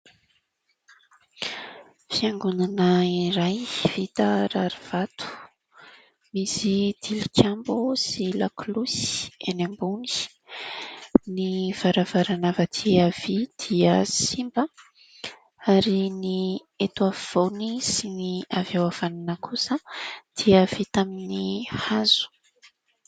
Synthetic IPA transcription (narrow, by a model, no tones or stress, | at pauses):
fiaŋɡunanəiɾajv̥it̪aɾaɾiv̥at̪u̥ | misid̪̥ilikʲʰambusilaklusi̥enambuni̥ | niv̥aɾavaɾanavəd̪ʰiav̥id̪̥iəsimbə | aɾini | et̪uaviv̥ownisiniavewav̥aninəkusəd̪̥iəv̥it̪aminihazu̥